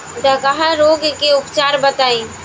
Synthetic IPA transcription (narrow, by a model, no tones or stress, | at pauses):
d̪ɐkɐɦaɾoːɡkeʊpt͡ʃaːɾbət̪aːĩː